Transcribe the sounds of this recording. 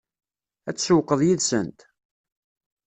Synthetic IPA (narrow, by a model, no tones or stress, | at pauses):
æt͡sːsəwqːəðˤjiðsənt̪